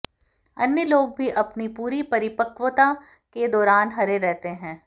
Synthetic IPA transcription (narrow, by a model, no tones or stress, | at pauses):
ɐnjəloːɡ̚bʱiʔɐpnipuːɾipɐɾɪpəkʋət̪a | ked̪ɔːɾaːnɦɐɾeɾɛɦt̪eɦɛ̃ː